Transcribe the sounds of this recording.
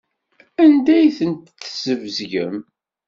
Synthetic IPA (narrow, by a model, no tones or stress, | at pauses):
ænd̪æjθənt̪θzəvzʝə̰m